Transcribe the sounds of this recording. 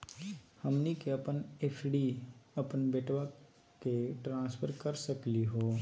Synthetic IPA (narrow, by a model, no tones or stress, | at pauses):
həmnikeɐpənepʰɖiɐpənbeːʈʋa | keʈɾãːspʰəɾkɐɾsəkliɦoː